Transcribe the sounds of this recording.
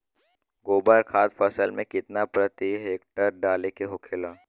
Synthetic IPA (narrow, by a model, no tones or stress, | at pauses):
ɡoːbəɾkʰaːt̪fɐsəlmẽkɪt̪napɾɐt̪iɦeːk̚ʈəɾɖaːlekeɦokʰelaː